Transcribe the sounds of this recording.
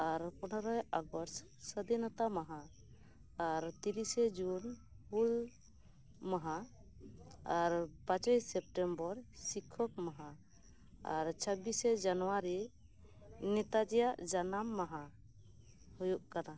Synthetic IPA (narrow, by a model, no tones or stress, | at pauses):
aɾpɔnɔɾɔjaɡɔɾs | səd̪ɛnat̪amaɦa | aɾt̪iɾisɛd͡ʒunpul | maɦa | aɾpãt͡ʃɔjsɛp̚ʈɛmbɔɾsikʰɔp̚maɦa | a̰ɾt͡ʃʰəbisɛd͡ʒanɔwaɾi | nɛt̪ad͡ʒijaʔd͡ʒanamːaɦa | hujuʔkana